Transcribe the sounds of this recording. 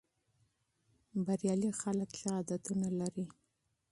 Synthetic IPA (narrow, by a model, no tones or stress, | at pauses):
baɾjɑlixaləkʃaɑd̪at̪unalaɾi